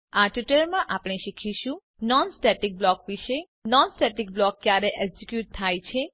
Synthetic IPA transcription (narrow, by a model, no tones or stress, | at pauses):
aʈuʈəɾmãʔapɽ̃eʃikʰiʃũ | nɔnsʈɛʈik̚blɔkʋiʃe | nɔnsʈɛʈik̚blɔkːjaɾeʔɛɡsikjuʈ̚t̪ʰːajt͡ʃʰe